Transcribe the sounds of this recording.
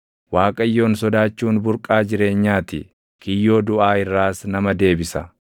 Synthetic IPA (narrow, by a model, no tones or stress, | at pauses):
waːkʼɐjːo̞ːnsɔd̪aːt͡ʃːuːnbʊɾkʼaːd͡ʒɪɾe̞ːɲːaːt̪ɪ̰ | kɪjːo̞ːd̪ʊʔaːɪrːaːsnɐmɐd̪e̞ːbɪsɐ